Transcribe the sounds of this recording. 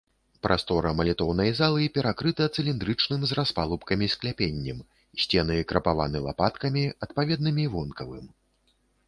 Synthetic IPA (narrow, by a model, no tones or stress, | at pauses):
pɾʔast̪ɔɾɐmɐlʲɛt̪ɔwnɐjzalˠɨpʲɛɾakɾɨt̪ɐt̪sɨlʲind̪ɾɨt͡ʂnɨmzraspalˠupkɐmʲisklʲapʲenʲːɛm | sʲt͡sʲɛnɨjkɾɐpava̰nɨlˠa̰pat̪kɐmʲiɐt̪̚pavʲɛd̪̚nɨmʲivɔnkɐvɨm